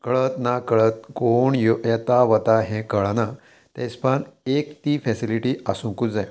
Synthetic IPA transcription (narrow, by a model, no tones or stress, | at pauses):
kəɭət̪nakəɭət̪̚ɡoɳjojət̪aʋət̪aɦɛ̃kəɭana | t̪ɛ̃spanekt̪iːfɛsiliʈiːʔasũŋkud͡zaj